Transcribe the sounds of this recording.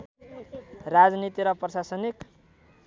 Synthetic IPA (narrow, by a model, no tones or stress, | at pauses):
rad͡znit̪iɾʌprʌsasʌnik